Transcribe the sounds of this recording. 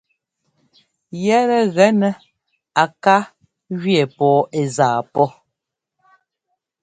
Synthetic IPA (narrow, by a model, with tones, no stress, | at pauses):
jɛ˦ɾɛ˨ɣɛ˦nɛ˦ | a˨ka˦ | ɣɥɛ˨pɔː˨˦e˨zaː˨pɔ˦